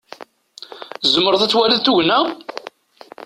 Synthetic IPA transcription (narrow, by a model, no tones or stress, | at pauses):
zəmːəɾəðˤæt͡sːwælæðθuʝnæ